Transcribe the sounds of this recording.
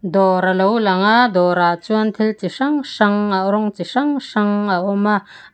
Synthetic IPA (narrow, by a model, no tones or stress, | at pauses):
d̪ɔɾalowlaŋaʔd̪ɔɾat͡suɐnt̪ʰilt͡siʂaŋʂaŋaʔɾɔŋt͡siʂaŋʂaŋaʔɔma